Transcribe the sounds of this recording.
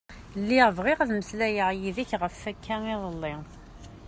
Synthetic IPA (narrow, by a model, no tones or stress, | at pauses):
lːiʁəvʁiʁəðməslæjəʕjiðiçʁəfːækːæniðˤəlˤːi